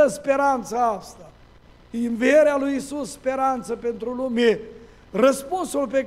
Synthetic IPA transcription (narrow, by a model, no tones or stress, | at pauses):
əspeɾant̪saast̪a | iɨnvieɾealujisusːpeɾant̪səpent̪ɾulume | rəspunsulpe